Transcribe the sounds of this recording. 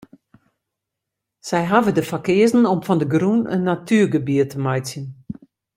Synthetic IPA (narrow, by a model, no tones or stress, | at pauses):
sɛjɦavədəfakɪəzn̩ɔmfɔndəɡrunə̰nːatʰyːɡəbiətəmajsjən